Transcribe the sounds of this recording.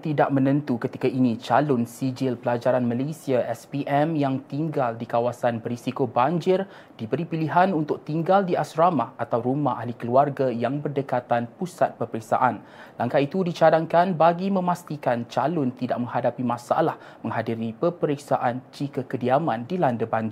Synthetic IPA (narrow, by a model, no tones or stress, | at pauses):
t̪idaʔ̚mə̃nə̃nt̪ukət̪ikainit͡ʃalʊnsid͡ʒɪlpəlad͡ʒaɾanmalesiaʔɛspiʔɛmjaŋt̪iŋɡaldikawasanbərɾisikoband͡ʒɪr | d̥ibəɾipiliɦanunt̪ʊk̚t̪iŋɡaldiasɾamaat̪awɾumaɦahlikəluarɡajaŋbərdəkat̪anpusat̪̚pəpəɾik̚sa̰ʔan | laŋkait̪udit͡ʃadaŋkanbaɡimə̃mast̪ikant͡ʃalʊnt̪idaʔ̚mə̃ŋhadapimãsa̰lah | mə̃ŋɦadiɾipəpəɾik̚sa̰ʔant͡ʃikakədiamãndilandəbaɲd͡ʒ